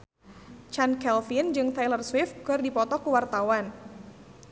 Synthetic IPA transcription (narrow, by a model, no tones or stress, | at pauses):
t͡ʃankɛlfɪnd͡ʒɨŋt̪ajlərswɪfkɨrdipɔt̪ɔkuwart̪awan